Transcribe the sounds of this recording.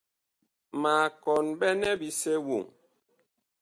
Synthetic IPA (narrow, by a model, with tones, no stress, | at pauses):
ma˨kɔ˨nbɛ˦nɛ˦bi˨se˦wṵ˨ŋ